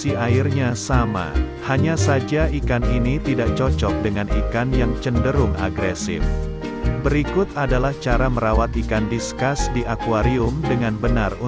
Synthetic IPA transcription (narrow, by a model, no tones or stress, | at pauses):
iairɲasama̰ | haɲasad͡ʒaʔikaninit̪idaʔt͡ʃɔt͡ʃɔk̚dəŋanikanjaŋt͡ʃəndəɾʊŋa̰ɡɾesɪ̰f | bəɾikʊt̪adalaht͡ʃaɾaməɾawat̪ikandiskasdiʔakuaɾiʊmdəŋanbənaru